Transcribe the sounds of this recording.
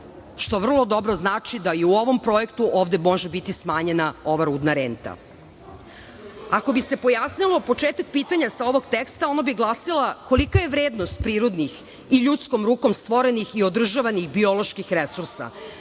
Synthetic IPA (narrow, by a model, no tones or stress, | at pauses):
ʃt̪o̞ʋr̩lˠo̞d̪o̞bɾo̞znaːt͡ʃid̪aiuo̞ʋo̞mpɾojekt̪uʔoːʋd̪emo̞ʒebit̪ismaːɲe̞nao̞ʋaɾuːd̪naɾeːnt̪a̰ | ako̞bise̞po̞jasnilˠo̞po̞t͡ʃeːt̪ak̚piːt̪aɲasao̞ʋo̞ɡt̪ekst̪ao̞nabiɡlˠasilˠako̞likaje̞ʋɾeːd̪nost̪̚pɾiːɾod̪nix | iʎut̪sko̞mɾuːko̞mst̪ʋo̞ɾenixiod̪r̩ʒaʋanixbio̞lˠo̞ʃkixɾesuɾsa̰